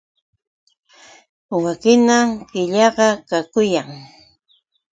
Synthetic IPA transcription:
wakɪnamkɪʎɑɢɑkakʊjaŋ

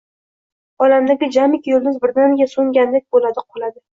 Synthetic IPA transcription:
ɒlamd̪aɡʲɪd͡ʒamɪkʲjolˠd̪ɪzbɪɾd̪anɡʲasoŋɡʲand̪ek̚ʲbolad̪ɪqʰolad̪ɪ

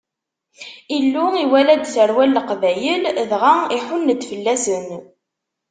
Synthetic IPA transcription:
ilːʊiwælæd̪θəɾwælːəqvæjəlðʁaiħʊnːəd̪fəlːæsən

